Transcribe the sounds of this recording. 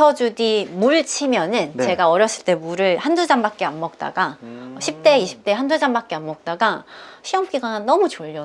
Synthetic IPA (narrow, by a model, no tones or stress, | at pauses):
ʌd͡ʑudimuɭt͡ɕʰimjʌnɯnt͡ɕe̞ɡaʌɾjʌs͈ʰɯ̥ɭt͈e̞muɾɯɭhandud͡ʑambak̚k͈eamːʌk̚t͈a̰ɡaɕʰip̚t͈e̞iɕʰi̥p̚t͈e̞ɦandud͡ʑambak̚k͈eamːʌk̚t͈aɡaɕʰiʌmk͈iɡanannʌmut͡ɕoʎːʌ